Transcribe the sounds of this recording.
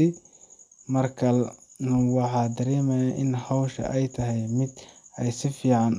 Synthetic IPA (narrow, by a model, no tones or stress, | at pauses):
ɪ | mɐrkʰɐlnʊwɑħɑːd̪ɐɾɛːmɛjaʔɪnhɑwʃɐ̰ʔɛjt̪ʰɐɦɛjmɪd̪ɛjsɪfiːʕɑn